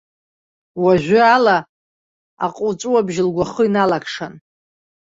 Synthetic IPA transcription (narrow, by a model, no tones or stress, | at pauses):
waʒʷʊala | a̰qʼʊt͡sʼuwabʒlɡʷaχəinalakʰʂan